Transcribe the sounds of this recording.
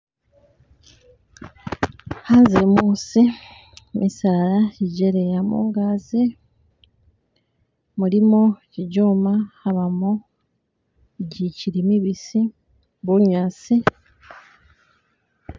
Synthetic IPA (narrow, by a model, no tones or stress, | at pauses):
haːnzemuːsi | mʔisaːɾaiɟeɾejamṵːŋɡaːzi | mulimociɟoːmaaβamo | ɟiciɾimiβisi | βulɲaːsi